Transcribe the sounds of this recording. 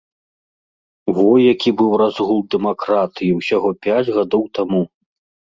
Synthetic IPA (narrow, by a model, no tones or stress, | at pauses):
vɔjːakʲibɨwrazɣulˠd̪ɛmakɾat̪ɨjiwsʲaɣɔpʲad͡zʲɣad̪ɔwt̪amu